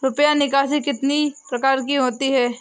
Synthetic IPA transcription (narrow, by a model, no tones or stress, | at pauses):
ɾʊpjanɪkaːsikɪt̪nipɾɐkaːɾkiɦoːt̪iɦɛː